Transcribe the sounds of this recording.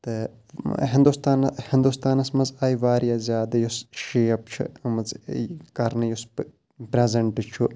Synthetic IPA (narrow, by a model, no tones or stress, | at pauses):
t̪ɨ | ɦɪnd̪ust̪aːnhɪnd̪ust̪aːnɐsmɐzaːjiʋaːɾjaːzjaːd̪ɐjusʃiːɐp̚t͡ʃʰḭmɐzkɐɾnɨjus | pɾezɐɳʈʈɨt͡ʃʰu